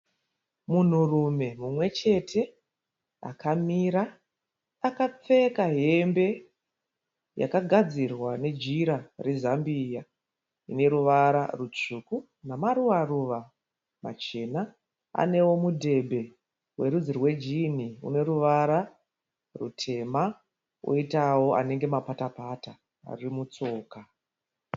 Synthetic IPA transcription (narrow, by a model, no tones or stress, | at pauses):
mun̤urume̞mumwe̞t͡ʃe̞tʰe̞ | a̰kamiːɾa | akap͡fe̞kaɦe̞mbe̞ | ja̰kaɡʱad͡zirwane̞d͡ʒiɾarezambija | ine̞ɾuʋaɾarut͡ʂuku | namaruʋaruʋa | ma̰t͡ʃe̞na | a̰ne̞wo̞mudʱe̞bʱe̞ | we̞ɾud͡zirwe̞d͡ʒin̤iṵne̞ɾuʋaɾa | rṵtʰe̞ma | o̰itawo̞ʔa̰ne̞ŋɡe̞mapatapata | a̰rimut͡so̞ːka